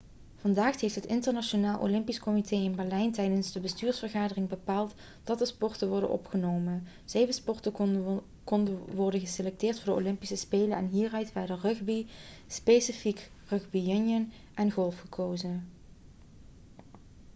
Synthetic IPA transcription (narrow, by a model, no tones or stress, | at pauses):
v̥ɑndaːxtɦejftɦətɪntəɹnɑʃonaːlˠʔo̰wlɪmpiskɔmitʰeːɪnbɛɹlɛjntɛjdənzdəbəstyːɹsfərɣaːdərɪŋbəpaːlˠt | d̥ɑtdəspɔɹtəʋɔɹdə̰nʔɔ̰pχənowmən | z̥ejvəspɔɹtə | kɔndəʋɔɹdənɣəselɛk̚tɪːɹtfʊːɹdəo̰wlɪmpisəspeːlənɛ̰nɦiːrœɥtfɛjdərɵxbi | spejsifik | rɵxbijɵnjən | ʔɛnɣɔlˠfχəkʰowzən